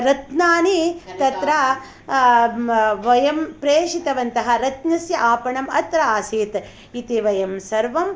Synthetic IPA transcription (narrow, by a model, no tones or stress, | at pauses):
ɾɐt̪naːnit̪ɐt̪ɾɐ | ʋɐjɐmpɾeːʂit̪ɐʋɐnt̪ɐɦɐ̆ɾɐt̪nɐsjɐʔaːpɐɳɐmɐt̪ɾɐaːsiːt̪ | it̪iʋɐjɐmsɐɾʋɐm